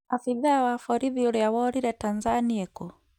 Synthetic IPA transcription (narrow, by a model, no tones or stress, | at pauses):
afiðawafɔɾiviɔɾɛawɔɾiɾɛtanzaniɛkɔ